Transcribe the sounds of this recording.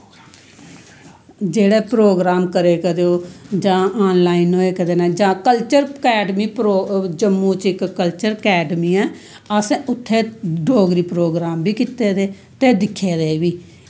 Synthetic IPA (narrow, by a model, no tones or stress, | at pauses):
d͡ʒeːɽeːpɾoːɡɾaːmkəɾeːkəɾoːd͡ʒãːaːnlaːinɦoːeːkəd̪eːnɛːd͡ʒãːkəlt͡ʃəɾkɛːɖmiːpɾoːd͡ʒəmːũːt͡ʃɪkːəlt͡ʃəɾkɛːɖəmiːɛː | əsẽʊt̪ʰːeːɖoːɡɾiːpɾoːɡɾaːmbiːkɪt̪ːeːd̪eː | t̪eːd̪ɪkʰːeːd̪eːʋiː